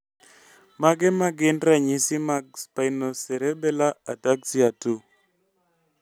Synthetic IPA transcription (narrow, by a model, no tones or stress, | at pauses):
maɡɛmaɡɪndɾaɲisɪmakspainosɛɾɛbɛlaataksiatu